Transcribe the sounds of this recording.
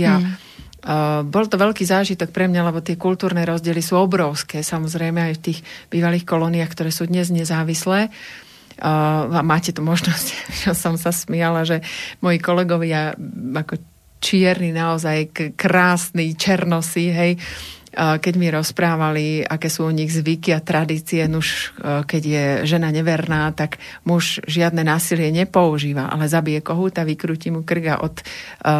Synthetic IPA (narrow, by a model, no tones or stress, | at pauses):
a | bɔlt̪ɔʋɛlkiːzaːʒit̪ɔk̚pɾɛmɲalɛbɔt̪ɪɛkult̪uːɾnɛːɾɔzɟɪɛlisuːɔbɾɔʊskɛːsamɔzɾɛjmɛajft̪iːɣb̥iːʋaliːxkɔlɔniaːxkt̪ɔɾɛːsuːd̪ɲɛzɲɛzaːʋislɛː | amaːcɛt̪umɔʒnɔscʒɛsɔmsasmɪɛlaʒɛmɔjikɔlɛɡɔʋɪaakɔ | t͡ʃɪɛɾninaɔzajkkɾaːsnit͡ʃɛɾnɔsiɦɛj | kɛɟmiɾɔspɾaːʋaliakɛːsuːɔɲiɣzʋikiat̪ɾad̪iːt͡sijɛnuʃkɛɟjɛʒɛnaɲɛʋɛɾnaːt̪aɡmuʃʒɪad̪nɛːnaːsilɪɛɲɛpɔuʒiːʋaʔa̰lɛzabijɛkɔɦuːt̪aʋikɾuːcimukr̩ɡa̰ʔɔt̪